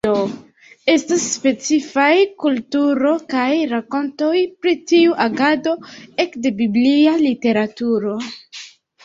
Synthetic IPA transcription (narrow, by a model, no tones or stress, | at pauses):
o | e̞stasːpe̞t͡sifajkultuɾo̞kajɾako̞nto̞jpɾitiuʔaɡado̞e̞kde̞biblialite̞ɾatuɾo̞